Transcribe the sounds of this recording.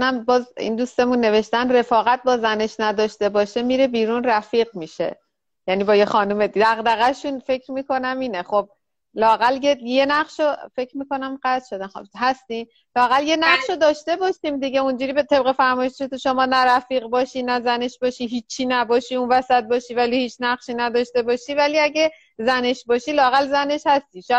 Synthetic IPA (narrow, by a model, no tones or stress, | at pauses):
næmbɒːzḭnd̪uːst̪e̞munːe̞ve̞ʃt̪ænd̪re̞fɒːɣæt̪̚bɒːzæne̞ʃnæd̪ɒːʃt̪e̞bɒːʃemiːɾebiːɾuːnræfiːɣmiːʃḛ | jæniːbɒːjexɒːnumed̪æɣd̪æɣæʃunfe̞cʰɾmiːkʰo̞næmiːneχob̚ | lɒːæɣæljejenæχʃofe̞cʰɾmiːko̞næmɢæt̪ʃo̞d̪ænxhæst̪iːm | lɒːæɣælje̞næχʃod̪ɒːʃt̪e̞bɒːʃiːmd̪iɟeund͡ʒuːɾiːbet̪ʰe̞b̚ɣe̞fæɾmɒːjeʃeʃet̪ʰuʃomɒːnæɾæfiːɣbɒːʃiːnæzæne̞ʃbɒːʃiɦiːt͡ʃʰiːnæbɒːʃiunvæsæt̪̚bɒːʃiːvælihiːt͡ʃʰnæχʃiːnæd̪ɒːʃt̪e̞bɒːʃivæliæɟe | zæne̞ʃbɒːʃiːlɒːæɣælzæne̞ʃhæst̪iːʃ